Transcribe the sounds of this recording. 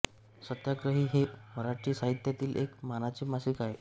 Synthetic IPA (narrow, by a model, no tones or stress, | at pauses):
sət̪jaɡɾəɦiːɦeməɾat͡ɕiːsaɦit̪jat̪iːlʔekmanat͡ɕiːmasiːkaɦe